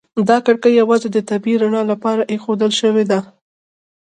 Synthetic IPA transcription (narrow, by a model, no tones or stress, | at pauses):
d̪ɑkaɽkajawɑzed̪ət̪abiɾaɳɑlapɑɾaʔexod̪əlʃəwed̪a